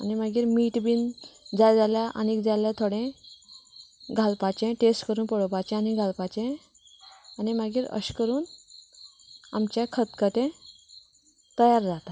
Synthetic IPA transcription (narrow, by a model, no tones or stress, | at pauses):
animəɡiːɾmiːʈbiːnd͡zad͡zaljaʔa̰nikd͡zaljat̪ʰoɽẽ | ɡʱalpat͡ɕẽʈesʈkəɾuːnpəɽopat͡ɕɛ̃aniɡʱalpat͡ɕẽ | animəɡiːɾə̰ɕkəɾuːn | amt͡ɕakʰət̪kət̪ẽ | t̪əjaɾd͡zat̪a